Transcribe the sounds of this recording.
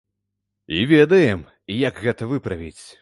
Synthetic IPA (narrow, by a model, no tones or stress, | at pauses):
ḭvʲɛd̪ɐjɛm | ijɐkɣɛt̪ɐvɨpɾɐvʲit͡sʲ